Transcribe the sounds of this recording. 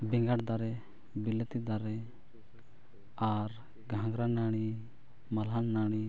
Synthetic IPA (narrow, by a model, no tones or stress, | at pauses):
bɛŋɡaɽd̪aɾɛ | bilet̪id̪aɾɛ | aɾ | ɡʱãŋɡɾanaɽ̃i | malɦanːaɽ̃i